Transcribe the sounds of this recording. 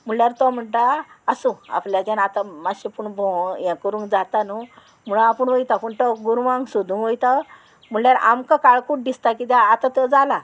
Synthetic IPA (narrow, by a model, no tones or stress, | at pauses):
m̤uɳljaɾt̪ɔm̤əɳʈaasũa̰pljad͡ʑjanat̪amaɕipuɳbʱɔ̃jãkəɾũŋkd͡zat̪anu | m̤uɭ̃apəɳʋəjt̪apəɳt̪ɔɡuɾʋãŋɡsud̪ʱũŋkʋəjt̪a | m̤uɭljaɾa̰mkakaɭkuʈ̚d̪ist̪akit̪jaːt̪at̪əd͡zala